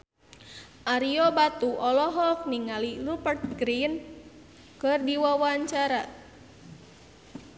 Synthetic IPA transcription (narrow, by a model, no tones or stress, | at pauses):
ʔaɾiobat̪uʔɔlɔɦɔkniŋalilupərt̪̚ɡɾin | kɨrdiwawaɲt͡ʃaɾa